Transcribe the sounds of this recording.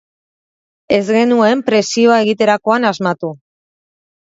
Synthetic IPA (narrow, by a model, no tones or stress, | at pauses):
e̞zɣe̞nue̞mpɾe̞sio̞ae̞ɣ̞it̪e̞ɾako̞anazmat̪u